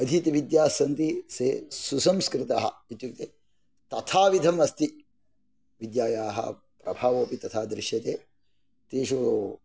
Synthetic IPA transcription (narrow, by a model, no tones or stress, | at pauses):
ɐd̪ʱit̪iʋid̪jaːsɐnt̪iseːsusɐmskɾɪt̪aɦɐ̰it̪jukt̪eː | t̪ɐt̪ʰaːʋid̪ʱɐmɐst̪i | ʋid̪jaːjaːɦɐ̰ | pɾɐ̰bʱaːʋoːpit̪ɐt̪ʰaːd̪ɾɪʃjɐt̪eː | t̪eːʃu